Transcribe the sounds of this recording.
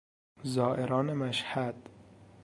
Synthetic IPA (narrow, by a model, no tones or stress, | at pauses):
zɒːʔeɾɒːnemæʃhæd̪̥